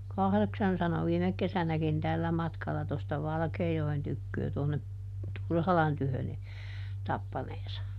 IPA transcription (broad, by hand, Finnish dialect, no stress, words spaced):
kɑhðeksɑn sɑno ʋiːmek kesænækin tælːæ mɑtkɑlɑ tostɑ ʋɑlkeːjoen tykːøː toˑnːe turhɑlɑn tyhøn ni tɑpːɑneːsɑ